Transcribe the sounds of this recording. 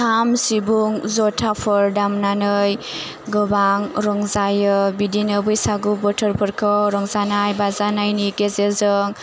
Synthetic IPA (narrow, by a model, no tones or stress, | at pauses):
amsibuŋzɔtʰapʰɔɾdamnanɯj | ɡɔbaŋɾɔŋzajɯbidinɯbɯjsaɡubɔtʰɔɾpʰɯɾkʰɔɾɔŋzanajbazanajnikezezɯŋ